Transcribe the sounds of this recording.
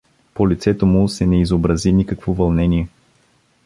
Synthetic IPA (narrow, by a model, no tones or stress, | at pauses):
polit̪sɛt̪omʊsɛnɛizobɾɐzinikəkvovɐlˠnɛniɛ